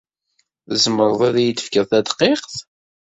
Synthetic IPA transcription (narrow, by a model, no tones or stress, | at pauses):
zəməɾˤðˤeðjət̪ːə̥fkəðθæd̪qeqθ